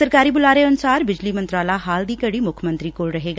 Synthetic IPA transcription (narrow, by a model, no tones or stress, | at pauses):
səɾkaːɾiːbʊlaːɾeənʊsaːɾbɪd͡ʒliːmə̃nt̪ɾaːlaːɦaːld̪iːkəɽiːmʊkʰmə̃nt̪ɾiːkoːɭɾəɦeːɡaː